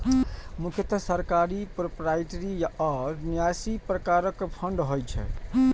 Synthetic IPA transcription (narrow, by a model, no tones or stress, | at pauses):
mukʰjət̪səɾkaɾipɾopɾajʈɾiɔɾnijasipɾəkaɾəkpʰəɳɖɦojt͡ʃʰɛ̰